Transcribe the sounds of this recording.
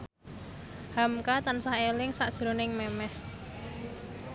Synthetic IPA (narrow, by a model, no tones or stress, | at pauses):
hamkat̪ansahelɪŋsaʔd̥ʒ̥ɾo̤nɪŋmɛmɛs